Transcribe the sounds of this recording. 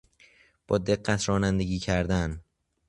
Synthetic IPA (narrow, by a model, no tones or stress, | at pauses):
b̥ɒːd̪e̞ɢːæt̪ʰɾɒːnænd̪e̞ɟiːcʰæɾd̪æn